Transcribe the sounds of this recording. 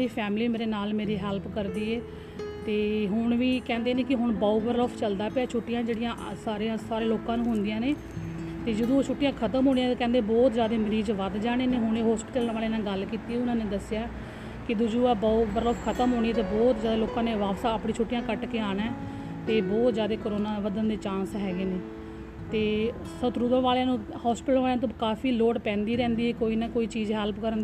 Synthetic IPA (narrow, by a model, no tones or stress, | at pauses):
ɾiːpʰɛːmliːmeːɾeːnaːlmeːɾiːɦɛːlpkəɾd̪iːeː | t̪eːɦʊɳʋiːkɛ̃ːnd̪eːnẽːkɪɦʊɳbaːuːbəɾləːpʰt͡ʃəld̪aːpaːt͡ʃʰʊʈːɪjãːd͡ʒeːɽɪjãːʔsaːɾeãːsaːɾeːloːkãːnũːɦʊnd̪ɪjãːneː | t̪eːd͡ʒəd̪õːoːt͡ʃʰʊʈːɪjãːkʰət̪əmɦoːniãːkɛ̃ːnd̪eːbɔːt̪zjaːd̪eːmɾiːd͡ʒʋəd̪d͡ʒaːɽ̃eːneːɦʊneːɦɔːspɪʈəlnʋaːleːnãːɡəlkiːt̪iːɛʊnãːneːd̪əsɪjaː | kɪd̪ʊd͡ʒuːɛːbɔːbəɾləbkʰət̪əmɦoːɽ̃iːt̪eːbɔːt̪zaːd̪eːloːkãːneːʋaːbsaːəpɽĩːt͡ʃʰʊʈːɪjãːkəʈkeːaːnɛː | t̪eːbɔːt̪zjaːd̪eːkoɾoːnãːʋəd̪ənd̪eːt͡ʃãːnsɦɛːɡeːneː | t̪eː | sət̪ɾʊd̪ə̃ʋaːljãːnũːhɔːspɪʈəlʋaːleãːt̪̬õkaːpʰiːloːʈpɛ̃ːnd̪iːɾɛ̃ːnd̪iːɦɛːkoːiːnãːkoːiːt͡ʃiːzɦɛlpkəɾənd̪i